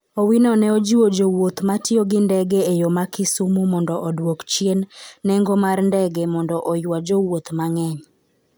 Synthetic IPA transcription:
owinɔnɛod͡ʒiwod͡ʒowot̪matjoɡɪndɛɡɛejomakɪsumomɔndɔʔɔdwokt͡ʃjenːɛŋɡɔmarndɛɡɛmɔndɔʔɔjwad͡ʒowot̪maŋɛɲ

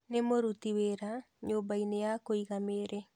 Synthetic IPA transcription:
nemoɾutiweɾa | ɲoːbainejakoiɣameɾɛ

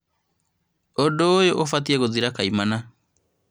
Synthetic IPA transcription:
odoːjoʔofatiɛɣoðiɾakaimana

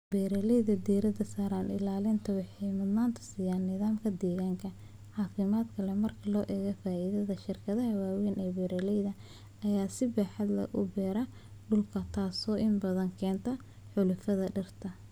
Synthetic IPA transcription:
b̥ɛːɾɐlɛjðɐd̪iːɾɐd̪ɐsaːɾanɪ̰laːlɪnt̪ʰɐwɑħɑjmɐd̪maːnt̪ʰɐ̥siːjaːnːɪðaːmkʰɐd̪ɛːɣaːŋkʰɐ | ʕɑːfɪmaːd̪kʰɐlɛmɐrkʰɐlɔːʔɛːɣɐfaːʔiːðɐðɐʃɪrkʰɐðɐɦɐwaːwiːnʔɛːbɛːɾɐlɛjðɐ | ɐjaːsɪbaːħɑd̪lɐ̰ʔʊ̰bɛːɾɐ | ɖʊlkʰɐt̪ʰaːsɔːʔɪnbɐðɐŋkʰɛːnt̪ʰɐ | ħʊlʊfɐðɐɖɐrt̪ʰɐ

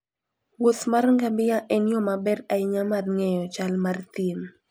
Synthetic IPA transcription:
wot̪marŋɡambɪjaʔɛnjɔmabɛɾaɪɲamadŋɛjɔt͡ʃalmart̪jem

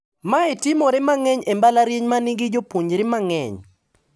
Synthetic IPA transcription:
maetɪmoɾɛmaŋɛɲembalaɾjeɲmanɪɡɪd͡ʒopwoɲɾɪmaŋɛ̰ɲ

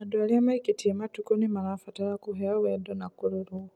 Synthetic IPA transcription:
madwaliamaikitʰimatukɔnimanafataɾakuɦɛawɛdɔnakuɾɔɾu

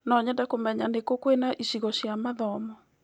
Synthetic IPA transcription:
nɔɲɛndakomɛɲanekokwenaʔiʃiɣɔɕiamaðɔmɔ

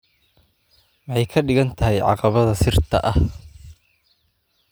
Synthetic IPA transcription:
wɑħɑjkʰɐɖɪɣɐnt̪ʰɐɦɛjʕɑ̰qɑβɐðɐsɪrt̪ʰɐ̰ʔɐh

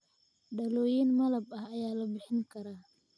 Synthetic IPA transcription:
ɖɐlɔːjinmɐlɐbɐhɐjaːlɐbɪħɪŋkʰɐɾaː

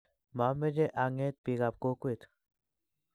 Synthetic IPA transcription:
mamed͡ʒeʔaŋet̪̚piɡap̚kokuet̪

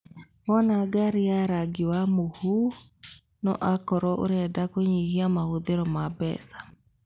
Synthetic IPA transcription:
mɔnaɡaɾiaɾaɡiwamohu | nɔ̰ʔakɔɾɔʔo̰ɾɛdakoɲihiamahoðeɾɔmabɛ̰sḁ

